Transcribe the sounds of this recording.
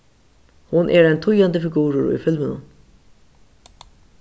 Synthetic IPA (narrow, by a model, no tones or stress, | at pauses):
hʊnʔɛɾɛnt̪ʰʊjand̪əfɪɡuːɾəɾḭfɪlmənə̰